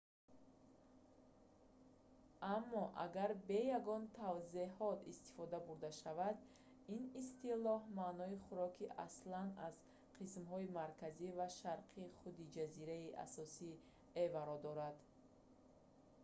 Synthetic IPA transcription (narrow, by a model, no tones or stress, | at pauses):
ʔamːɔʔa̰ɡaɾbe̞jaɡɔnt̪ʰavziɦɔt̪ist̪i̥fɔd̪abuɾd̪aʃavad̪ | inist̪ilɔhmanɔiχuɾɔkʰiʔa̰slanaz̥ | qʰismɦɔimaɾkʰazivaʃaɾqʰiχud̪id͡ʒaziɾaiʔa̰sɔsi | evaɾɔd̪ɔɾad̪